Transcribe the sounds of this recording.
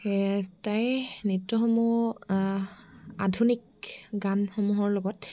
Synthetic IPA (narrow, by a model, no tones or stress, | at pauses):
tajnitːɔxɔmu | a̰dʱunik | ɡanxɔmuɦɔɹlɔɡɔt